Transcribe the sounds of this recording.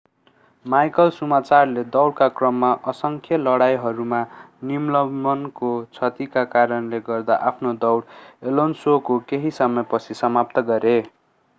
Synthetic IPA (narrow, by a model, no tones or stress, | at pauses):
majkʌlsumat͡sarled̪ʌwɽkakrʌmːaʔʌsʌŋkʰjʌlʌɽajɦʌɾuma | nimlʌʌnkot͡sʰʌt̪ikakaɾʌnleɡʌrd̪a̰ʔapʰnod̪ʌwɽelonsokokeɦisʌmʌpʌt͡sʰisʌmap̚t̪ʌɡʌɾe